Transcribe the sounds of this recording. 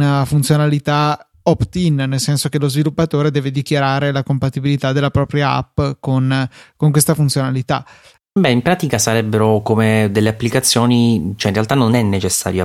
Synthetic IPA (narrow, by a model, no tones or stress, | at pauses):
nafunt̪sjonalit̪a | ɔpt̪innelsɛnsok̟elozvilupːat̪oːɾed̪ɛːved̪ikjaɾaːɾelakompat̪ibilit̪ad̪ːelapɾɔːpɾjaa̰pːkonkoŋkwest̪afunt̪sjonalit̪a̰ | bɛimpɾaːt̪ikasaɾɛbːeɾokomed̪elːeapːlikat̪sːjoːnit͡ʃoɛinrealt̪anːonɛnːet͡ʃesːa̰ːɾjo